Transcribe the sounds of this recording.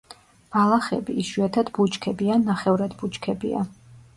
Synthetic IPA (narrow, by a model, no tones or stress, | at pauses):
m̥alˠaχɛ̰biːʃwɛt̪ʰad̪but͡ʃkʰɛbiannːaχɛvɾad̪but͡ʃkʰɛbḭa̰